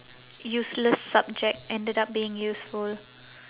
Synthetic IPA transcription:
juːsləsːab̚d͡ʒɛk̚tɛ̃ndədap̚biːɪ̃ŋjuːsful

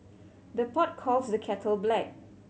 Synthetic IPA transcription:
d̪əpɔt̚kʰɔlsdəkʰɛtʰəlblɛk̚

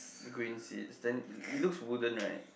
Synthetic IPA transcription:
ðəɡɹĩnsḭtsðɛ̃nilʊkswʊdə̃nɹaɪt̚

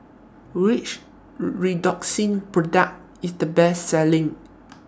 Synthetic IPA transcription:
ɹit͡ʃ | ɹidɔksĩnpɹɔdak̚t̚ | isdəbɛsːɛlĩŋ

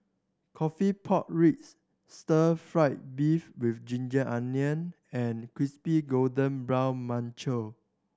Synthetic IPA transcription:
kʰɔfipʰɔt̚ɹits | stəfɹaɪt̚bifwifd͡ʒĩnd͡ʒəʔãnjə̃n | ɛ̃nkɹispiɡoldə̃nbɹãwmãnt͡ʃə

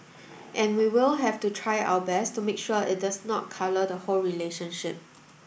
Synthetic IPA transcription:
ʔɛ̃nwiwɪlɦɛftutʰɹaɪa̰əbɛstumekʃuəɪ̰t̚dasnɔ̰t̚kʰalədəholɹileʃə̃nʃɪp̚

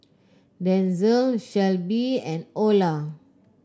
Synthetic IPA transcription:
dɛ̃nzəlʃɛlbiɛ̃nola

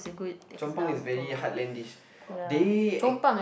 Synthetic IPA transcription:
sɡut͡ʃɔ̃mpãŋisvɛɹihatlɛ̃ndiʃ | det͡ʃɔ̃mpãŋ

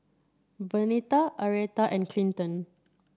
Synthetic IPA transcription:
vənitaʔəɹɛtaʔɛ̃nkʰlĩntə̃n

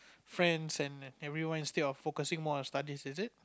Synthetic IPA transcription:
fɹɛ̃nsɛ̃nɛvɹiwãnĩnstɛdɔfokəsɪ̃ŋmɔɔ̃nstadisɛsɪt̚

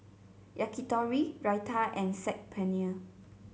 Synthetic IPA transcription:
ʔakitɔɹiɹajtʰaʔɛ̃nsɛk̚pʰɛ̃niə

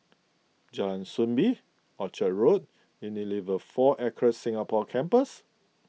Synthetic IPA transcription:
d͡ʒãnsũnbi | ɔt͡ʃəɹot̚ | indilivəfɔʔɛkʰɹəsĩŋapɔkʰɛ̃mpəs

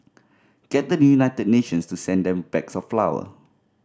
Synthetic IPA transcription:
ɡ̥ɛt̚dəjuunaɪtəd̚neʃə̃nstusɛ̃ndɛ̃mbɛksɔfflawə̰

